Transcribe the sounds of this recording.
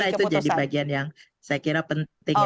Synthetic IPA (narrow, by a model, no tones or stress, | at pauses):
ɾait̪ud͡ʒadibaɡianjaŋ | sajakiɾapənt̪ɪŋ